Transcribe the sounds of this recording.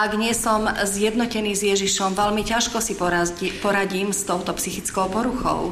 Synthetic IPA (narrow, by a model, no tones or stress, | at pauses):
ʔaɡɲɪɛsɔmzjɛd̪nɔcɛniːzjɛʒiʃɔmʋɛlmicaʃkɔsipɔɾaɟiːmst̪ɔʊt̪ɔpsixit͡skɔʊpɔɾuxɔ̰ʊ